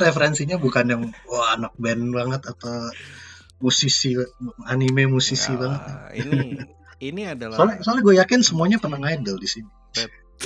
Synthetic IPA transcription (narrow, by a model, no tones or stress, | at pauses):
ɾefəɾɛnsiɲabukanjaŋwahanak̚bɛnbaŋət̪at̪aw | musisianimemusisibaŋət̪̚a | solɛsolɛhɡuajakɪnsəmuaɲapərnahŋajdəldisini